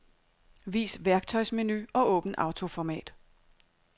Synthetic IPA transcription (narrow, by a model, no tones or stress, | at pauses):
ʋḭːsʋæɐɡ̥̚t͡sʰɒ̽ɪsme̝nyɒ̽ʔɔ̰ːb̥n̩ʔɑ̈ʊt͡sʰo̝fɒmɛ̰ːd̥